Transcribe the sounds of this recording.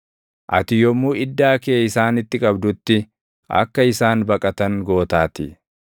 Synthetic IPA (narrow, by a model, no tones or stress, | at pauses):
ʔɐt̪ɪjɔmːuːɪd̪ːaːkeːɪsaːnɪt̪ːɪkʼɐbd̪ʊt̪ːɪ | ɐ̰kːɐɪsaːnbɐkʼɐt̪ɐŋɡo̞ːt̪aːt̪ɪ